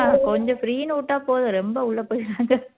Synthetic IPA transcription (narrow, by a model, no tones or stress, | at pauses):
akɔɲd͡ʒɔ̃fɾiːnuːʈːaːpoːðɐɾɛmbɐʊɭːɐpoːjɪɾaːŋɡɐ